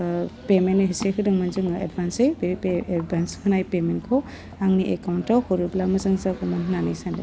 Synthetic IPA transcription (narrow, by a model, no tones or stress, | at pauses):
pementːɯɦisekʰɯdɯŋmanzuŋḛdbʱansejbdbʱanskʰɯnajpemenkʰɔ | aŋniʔekawntawhɔɾublamɐzaŋzakumannanijsandɯ̰